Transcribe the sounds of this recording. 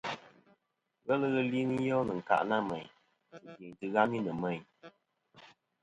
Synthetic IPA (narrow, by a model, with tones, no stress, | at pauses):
ɣɛ˦lɨ˦ɣə˦li˦ni˦jɔ˦nɨ˨ŋ̩˨ka̰˨ʔna˦mɛ˨ɲ | tɨ˨ɡe˨ŋ˨tɨ˦ɣa˦mi˦nɨ˨mɛ˨ɲ